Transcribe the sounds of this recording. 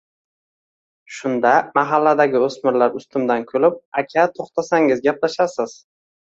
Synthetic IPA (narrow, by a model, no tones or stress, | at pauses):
ʃʊnd̪amaɦalːad̪aɡʲɪɵsmɪɾlaɾʊst̪ʰʊmd̪ankʲʰɵlɪp̚akʲʰat̪ʰoχt̪ʰasaŋɪzɡʲaplaʃasɪz̥